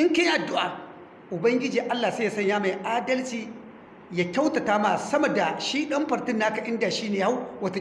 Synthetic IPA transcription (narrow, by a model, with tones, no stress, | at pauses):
ʔɪ˦ŋkɐ˦jʔa˨dʊ˦ʔaː˨ | ʔʊ˨bɐ˦ŋɡʲɪ˦d͡ʒiː˨ʔa˦lːaː˨sa˦ja˨sɐ˦ɲjaː˦ma˨jʔaː˦dɐ˦lt͡ʃiː˨ | jaː˦kʲɐ˦wtɐ˨taː˦maː˨sɐ˦mɐ˨da˨ʃiː˦ɗɐ˦mɸɐ˨ɾtɪ˦nːaː˦kɐ˨ʔɪ˦nda˨ʃiː˦neː˨ja˦wwɐ˦t